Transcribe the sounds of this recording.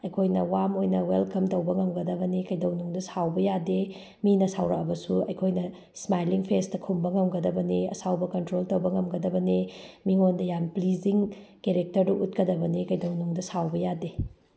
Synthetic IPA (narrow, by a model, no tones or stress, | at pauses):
ɐjkʰojnɐwamojnɐwelkɐmtɐwbɐŋɐmɡɐdɐβɐnikɐjdɐwnuŋdɐsawbɐjade | minɐsawɾɐk̚ɐbɐsuɐjkʰojnɐ | smajliŋpʰestɐkʰumbɐŋɐmɡɐdɐbɐniɐ̰sawbɐkɐntɾoltɐwbɐŋɐmɡɐdɐbɐnimiŋondɐjanpliziŋkeɾek̚tɐɾduʔut̚kɐdɐbɐnikɐjdɐwnuŋdɐsawbɐjade